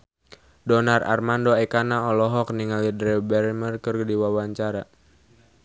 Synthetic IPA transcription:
dɔnara̰rmandoɛkanaɔlɔɦɔk̚niŋalidɾɛbɛrmərkɨrɡdiwawaɲt͡ʃaɾa

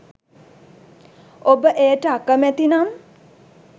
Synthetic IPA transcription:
obəʔejəʈəakəmæt̪inam

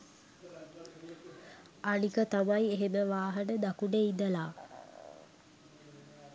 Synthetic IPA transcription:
anikət̪amaieɦeməʋaːɦənəd̪akuɖeid̪əlaː

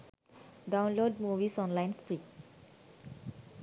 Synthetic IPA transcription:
dãw̃nlod̚muvisɔ̃nlãj̃nfɹit̚

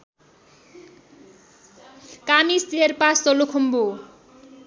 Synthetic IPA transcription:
kamist̪iɦeɾpast͡sɔlokʰombo

